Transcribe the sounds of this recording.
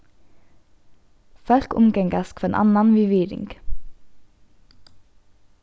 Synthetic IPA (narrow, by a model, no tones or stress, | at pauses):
fœɾkʊmɡɛŋɡəskfɔeːnʔɑ̰nɑnʋʏʋiːɾɪ̰ŋɡ̥